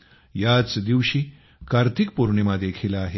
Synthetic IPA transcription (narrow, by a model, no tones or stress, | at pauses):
jat͡sd̪iʋɕiː | kaɾt̪ʰik̚puɾɳimad̪ekʰilaːɦe